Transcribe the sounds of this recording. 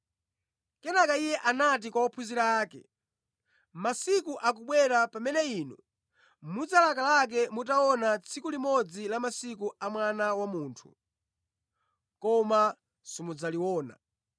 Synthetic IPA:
kɛnakaijɛʔanat̬ikwawɔpʰuziɾaːkɛ̰ | masikuʔak̬uɓwɛɾapamɛnɛiːnṵ | mud͡zalakalak̬ɛmut̬aɔnat͡sʰikulimɔd͡zilamasikuamwanawamuːntʰṵ | kɔma | simud͡zaliwɔːna̰

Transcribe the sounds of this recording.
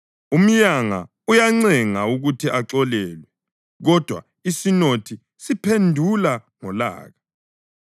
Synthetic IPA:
um̩ɲaŋa̰ | ujaŋ͡ǀɛŋauɣutʰiʔaǁɔlɛːlwɛ | ɣɔd̥ʱwa̰ | isinotʰi | sipʰendʱulaŋɔla̰ːɣa

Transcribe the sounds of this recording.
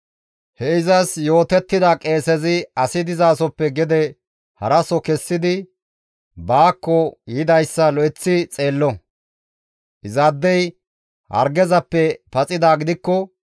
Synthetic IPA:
hɛɪzɐsjo̞ːt̪ɛt̪ːɪd̪akʼe̞ːsɛzɪɐsɪd̪ɪzaːsɔpːɛɡɛd̪ɛ | hɐɾɐsɔkɛsːɪd̪ɪ | baːkːɔjɪd̪ɐjsːɐlɔʔɛt͡sːɪt͡sʼe̞ːlːɔ | ʔɪzaːd̪ːɛj | hɐ̰ɾɡɛzɐpːɛpɐt͡sʼɪd̪aːɡɪd̪ɪkːɔ

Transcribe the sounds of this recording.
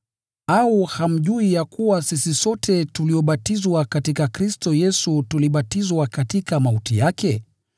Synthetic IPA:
auham̩ʄuijakuwasisisɔtʰɛtuliɔɓatizwakatikakɾistɔjɛsutuliɓatizwakatikamautḭjakɛ

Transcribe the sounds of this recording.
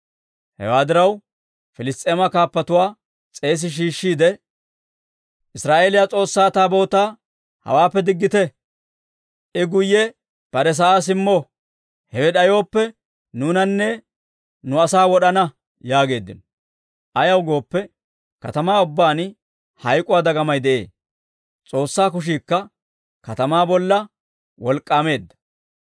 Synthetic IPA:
hɛ̰waːd̪ɪɾɐw | fɪlɪst̪ʼe̞ːmɐkaːpːɐt̪ʊwaː | t͡sʼe̞ːs̬ɪʃ̬iːʃːiːd̪ɛ | ʔɪsɾaːʔe̞ːlɪjat͡sʼo̞ːsːaːt̪aːbo̞ːt̪aː | hɐ̰waːpːɛd̪ɪɡːɪt̪ɛ | ʔɪɡʊjːɛ | b̥ɐɾɛs̬ɐʔaːs̬ɪmːoː | hɛwɛɗɐjo̞ːpːɛ | nuːnɐnːɛ | nʊɐsaːwɔɗɐnɐ | jaːɡe̞ːd̪ːɪnɔ̥ | ʔɐjɐwɡo̞ːpːɛ | kɐt̪ɐmaːʊbːaːn | hɐjkʼʊwaːd̪ɐɡɐmɐjd̪ɛʔe̞̰ː | t͡sʼo̞ːsːaːkʊʃ̬iːkːɐ | kɐt̪ɐmaːbɔlːɐ | wɔlkʼːaːme̞ːd̪ːɐ̥

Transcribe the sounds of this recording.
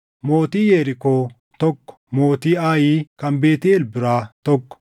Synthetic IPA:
mo̞ːt̪iːjeːɾɪkoː | t̪ɔkːɔ̥mo̞ːt̪iːaːjiːkɐmbeːt̪ɪɛlbɪɾaːt̪ɔkːɔ̥

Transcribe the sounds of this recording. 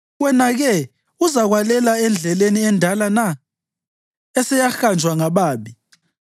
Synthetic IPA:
wɛnaɣɛ | uzaɣwalɛlaɛnd͡ɮʱɛleniɛndʱalana | ɛsɛjaxand͡ʒʱwaŋaβaːɓi

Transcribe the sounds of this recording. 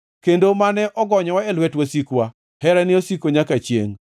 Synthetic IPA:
kendomanɛʔɔɡɔɲɔwaɛlwɛtwasikwa | hɛɾɛnɪosikoɲakat͡ʃjḛŋ

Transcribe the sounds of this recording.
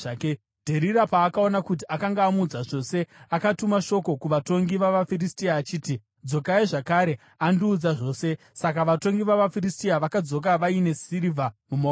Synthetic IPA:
k | dʱe̞ɾiɾapaːkao̞nakut̬iʔakaŋɡaːmuːd͡zaʐo̞ːse̞akatumaʃo̞ko̞kuʋato̞ŋɡiʋaʋafiristiaːt͡ʃiːti | d͡zo̞kaiʐakaɾe̞ | andiːd͡zaʐo̞ːse̞ | sakaʋato̞ŋɡiʋaʋafiristiaʋakad͡zo̞k̬aʋaine̞sirivʱamumo

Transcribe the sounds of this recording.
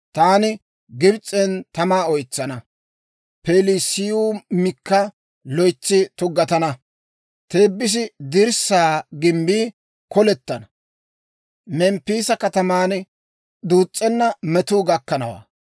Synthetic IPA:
t̪aːnɪ | ɡɪbt͡sʼːɛnt̪ɐmaːɔjt͡sːɐnɐ | peːlɪsɪjuːmɪkːɐ | lɔjt͡sːɪt̪ʊɡːɐt̪ɐnɐ | t̪eːbːɪs̬ɪd̪ɪɾsaːɡɪmbiː | kɔlɛt̪ːɐnɐ | mɛmpːiːsɐkɐt̪ɐmaːn | d̪uːt͡sʼːɛnːɐmɛt̪uːɡɐkːɐnɐwa̰ː

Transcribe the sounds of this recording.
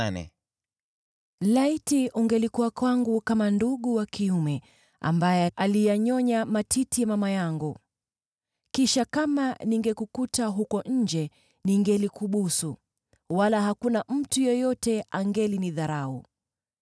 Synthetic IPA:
nɛ̰ | laitiʔuŋɡɛlikuwakwaŋɡukamanduɠuwakiumɛ | a̰mbajɛʔalijaɲɔɲamatʰitijamamajaŋɡu | kiʃakamaniŋɡɛkukutaɦukɔɲ̩d͡ʒɛ | niŋɡɛlikuɓusu | walaɦakunam̩tujɛjɔtɛaŋɡɛliniðaɾaṵ

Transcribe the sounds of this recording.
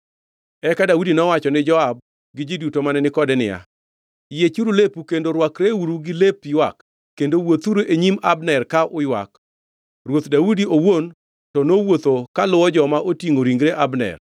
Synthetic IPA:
ɛkadaudinɔwat͡ʃɔnɪd͡ʒɔab̚ | ɡɪd͡ʒidutomanɛnɪkɔdɛnɪ̰ja̰ | jet͡ʃuɾulepukendoɾwakɾewuɾuɡɪlepjwa̰kː | endowot̪uɾoʔeɲimabnɛrkaʔʊjwa̰k | ɾwot̪daudiowon | tɔnowot̪okalʊwɔd͡ʒɔmaʔotiŋoɾiŋɡɾeʔabnɛ̰r

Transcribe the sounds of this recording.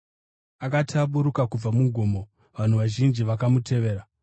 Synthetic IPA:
akatʰaɓuɾukakub͡vamuɡʱomo̞ | ʋan̤uʋaʒind͡ʒiʋakamutʰe̞ʋe̞ːɾa

